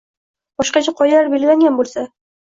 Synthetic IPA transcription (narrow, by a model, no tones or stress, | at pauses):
bɒʃqɑt͡ʃʰaqʰɒjalaɾbelʲɪlaŋɡʲanbolˠsa